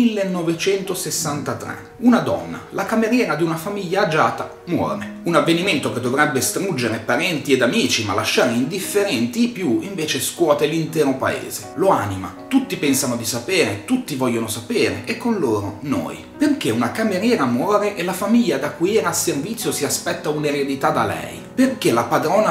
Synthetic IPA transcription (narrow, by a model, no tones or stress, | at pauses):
ilːenːɔvet͡ʃɛnt̪osesːant̪at̪ɾɛ̰ | unad̪ɔ̰nːa̰lakameɾjɛːɾad̪iunafamiʎːaːd͡ʒaːt̪a | mwɔ̰ːɾeunavːeniment̪oked̪ːovɾɛbːest̪ɾud͡ʒːeɾepaɾɛnt̪ied̪amiːt͡ʃima̰laʃːaːɾeind̪ifːeɾɛnt̪ipjuiɱveːt͡ʃeskwɔːt̪elint̪ɛːɾopa̰ḛːzeloanima̰t̪ut̪ːipɛnsanod̪isapeːɾet̪ut̪ːivɔʎːonosapeːɾḛʔekːonloːɾono̰ːj | perk̟eunakameɾjɛːɾamwɔːɾeʔelafamiʎːad̪akːujɛːɾaservit̪sːjosiaspɛt̪ːauneɾed̪it̪ad̪alɛ̰ɛ̰jperkelapad̪ɾoːna